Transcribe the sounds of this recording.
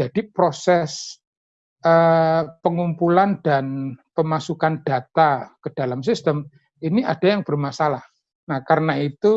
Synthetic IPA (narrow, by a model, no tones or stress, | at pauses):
d͡ʒad̥ipɾosɛs | ʔəpəŋumpuland̥anpəmasukand̥a̤t̪akəd̥a̤lamsist̪əm | iniʔad̥ajaŋb̥ərmasalah | nahkaɾənait̪u